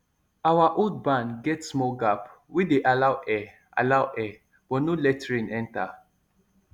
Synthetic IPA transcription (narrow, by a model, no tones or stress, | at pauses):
awaʔod̚bãnɡɛtsmɔɡap | wideʔalawʔɛ | ʔa̰lawʔɛ | b̥ɔtnolɛtɹĩnɛ̃nta